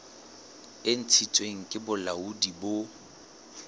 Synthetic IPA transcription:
ɪn̩t͡sʰit͡sʼweŋ̩kʼɪbʊlaudibo

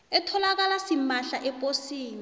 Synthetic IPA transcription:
ɛtʰɔlak̬alasimaɬaʔɛpʼosiːni

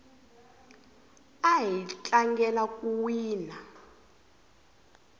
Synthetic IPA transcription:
aɦit͡ɬʼaŋɡɛlakʼuwiːna

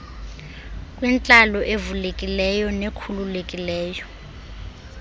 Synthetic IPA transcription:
kʼwint͡ɬʼalɔʔevulekʼilɛjɔnekʰululekʼilɛːjɔ

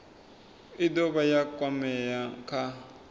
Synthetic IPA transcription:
idɔβajakʼwamɛjakʰa

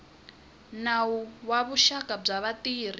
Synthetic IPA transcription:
nauwaβuʃakʼab͡ʐaβatiːr̤i

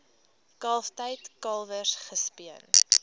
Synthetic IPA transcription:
kɑlˠftəjtkɐlˠvərsχəspiən

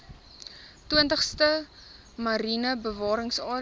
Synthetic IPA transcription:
twiəntəχstə | mɐɾinəbəvɑːɾəŋsɑː

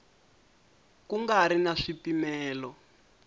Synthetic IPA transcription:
kuŋɡaɾinaʂipimɛːlɔ

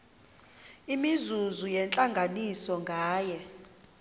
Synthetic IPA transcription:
imizuzujɛnt͡ɬʼaŋɡʱanisɔŋɡʱaːjɛ

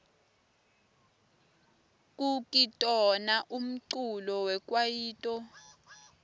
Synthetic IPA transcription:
k̬ʼukʼitʼɔnaʔum̩ǀulɔwɛk̬ʼwajiːtʼɔ

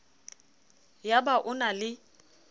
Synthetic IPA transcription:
jabaʔʊnalɪ

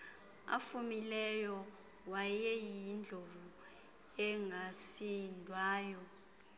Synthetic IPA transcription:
a̰fumilɛjɔ | wajɛjind͡ɮʱovu | ɛŋasindʱwaːjɔ

